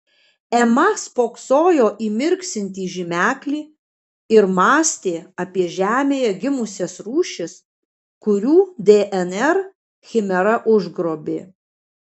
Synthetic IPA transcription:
ɛmɐspoːksoːjoːʔiːmʲɪɾʲksʲɪnʲt̪ʲiːʒʲɪmʲæːklʲiː | ɪɾmɑːsʲt̪ʲeːɐpʲiɛʒʲæːmʲeːjɛɡʲɪmʊsʲɛsɾuːʃʲɪs | kʊɾʲuːd̪ʲeːʔɛnɛɾ | xʲɪmʲɛɾɐʔʊʒɡɾoːbʲḛː

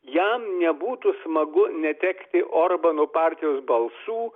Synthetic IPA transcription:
jɛmnʲɛbuːt̪usmɐɡʊnʲɛt̪ʲɛkt̪ʲɪʔoːrbɐnoːpɑːɾʲt̪ʲɪjoːsbɐlˠsuː

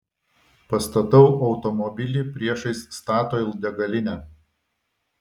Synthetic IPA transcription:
pɐst̪ɐt̪ɐʊʔɒʊt̪ɔmɔbʲɪlʲiːˑpʲɾʲiɛʃɐɪsst̪ɑːt̪oːɪlˠd̪ʲɛɡɐlʲɪnʲɛæ

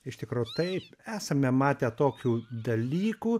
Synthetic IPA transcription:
ɪʃt̪ʲɪkɾuːjʊt̪ɐɪpæːsɐmʲɛmɑːt̪ʲeːt̪oːkʲuːd̪ɐlʲiːkuː

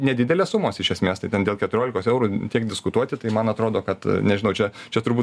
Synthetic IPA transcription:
nʲɛd̪ʲɪdʲɛlʲeːssʊmoːsɪʃʲɛsʲmʲeːst̪ɐɪt̪ʲɛnd̪ʲeːlˠkʲɛt̪ʊɾʲoːlʲɪkoːsɛʊɾutʲiɛkdʲɪskʊt̪uɔt̪ʲɪt̪ɐɪmɐnɐt̪ɾoːd̪oːkɐt̪nʲɛʒʲɪnɐʊt͡ʃʲɛt͡ʃʲɛt̪ʊrbuːt̪

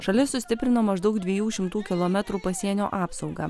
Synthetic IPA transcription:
ʃɐlʲɪsːʊsʲt̪ʲɪpʲɾʲɪnoːmɐʒd̪ɐʊkd̪ʲʋʲiɛjuːʃʲɪmt̪uːkʲɪlˠoːmʲɛt̪ɾuːpɐsʲiɛnʲo̰ːʔɑːpsɒʊɡɑː

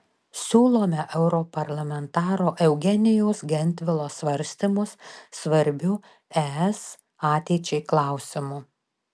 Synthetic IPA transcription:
sʲuːlˠoːmʲɛʔɛʊɾoːpɐɾlˠɐmʲɛnt̪ɑːɾoːʔɛʊɡʲɛnʲɪjoːsɡʲɛnʲt̪ʲʋʲɪlˠoːsʋɐɾʲsʲt̪ʲimʊsːʋɐɾʲbʲʊ | æɛs | ɑːt̪ʲɛɪt͡ʃʲɛɪklˠɑˑʊsʲɪmʊ

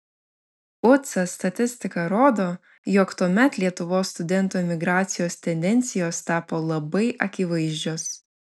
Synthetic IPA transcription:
ʊt̪sɐst̪ɐt̪ʲɪsʲt̪ʲɪkɐɾoːd̪oː | jokt̪uɔmʲɛt̪lʲiɛt̪ʊʋoːsːt̪ʊd̪ʲɛnt̪oːmʲɪɡɾɑːt̪sʲɪjoːst̪ʲɛnʲd̪ʲɛnʲt̪sʲɪjoːst̪ɑːpoːlˠɐbɐɪʔɐkʲɪʋɐɪʒʲd͡ʒʲoːs

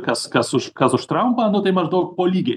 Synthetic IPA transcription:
kɐskɐsʊʃkɐsʊʃt̪ɾɐʊmpɐɐnd̪ʊt̪ɐɪmɐʒd̪ɐʊpoːlʲiːɡʲe

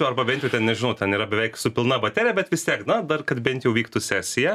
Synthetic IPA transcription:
ɛʊɐrbɐbʲɛnʲt̪ʲjɛʊt̪ʲɛnnʲɛʒʲɪnɐʊtʲɛniːɾɐbʲɛʋʲɛɪksʊpʲɪlˠnɐbɐt̪ʲæːɾʲɪjɛbʲɛt̪ʋʲɪst̪ʲiɛknɐd̪ɐrkɐt̪bʲɛnʲt̪ʲjɛʊʋʲiːkt̪ʊsʲæːsʲɪjɛ

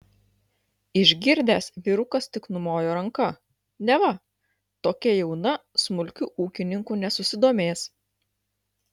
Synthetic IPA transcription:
ɪʒʲɡʲɪɾʲd̪ʲæːsʋʲɪɾʊkɐst̪ʲɪknʊmoːjoːɾɐŋkɐ | nʲɛʋɐ | t̪oːkʲɛjɛʊnɐsmʊlʲkʲʊʔuːkʲɪnʲɪŋkuːnʲɛsʊsʲɪd̪oːmʲeːs

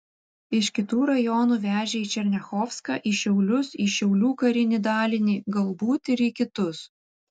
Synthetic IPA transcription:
ɪʃʲkʲɪt̪uːɾɐjɔːnuːʋʲæːʒʲɛiːt͡ʃʲɛɾʲnʲɛxɔːfskɑ̰ːʔiʃʲɛʊlʲʊsiːʃʲɛʊlʲuːkɐɾʲɪnʲiːd̪ɑːlʲɪnʲiːɡɐlˠbuːt̪ɪɾiːkʲɪt̪ʊs

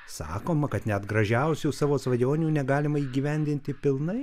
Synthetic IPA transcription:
sɑ̰ːkoːmɐkɐt̪nʲɛt̪ɡɾɐʒʲɛʊsʲuːsɑːʋoːsʋɐjoːnʲuːnʲɛɡɑːlʲɪmɐiːɡʲiːʋʲɛnʲd̪ʲɪnʲt̪ʲɪpʲɪlˠnɐɪ

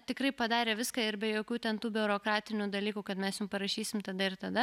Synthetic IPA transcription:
t̪ʲɪkɾɐɪpɐd̪ɑːɾʲeːʋʲɪskɐɪɾbʲɛjoːkʲuːt̪ʲɛnt̪uːbʲʊʊɾoːkɾɑːt̪ʲɪnʲuːd̪ɐlʲiːkuːkɐt̪mʲɛsjʊmpɐɾɐʃʲiːsʲɪmt̪ɐd̪ɐɪɾt̪ɐd̪ɐ

